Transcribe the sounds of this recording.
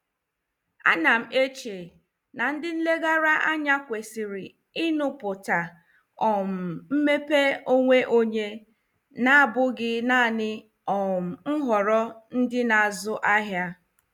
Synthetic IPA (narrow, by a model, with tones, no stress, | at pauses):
a̰˦na˨m̩˨ʔe˦t͡ʃe˨ | na˨n̩˦dɪ˦n̩˦le˦ɡa˦ɾa˦ʔa˦ɲa˦kʷe˨si˨ɾi˨ | i˦nʊ˨pʊ˨ta˨ | ɔ˨m̩˨m̩˦me˦pe˦o˦ŋʷe˦ʔo˦ɲe˦ | na˦a˦bʊ˦ɡɪ˦na˦˨nɪ˦ | ɔ˨m̩˨ŋ̩˦ɦɔ˨ɾɔ˦n̩˦dɪ˦na˨a˨zʊ˦ʔa˦ɦja˦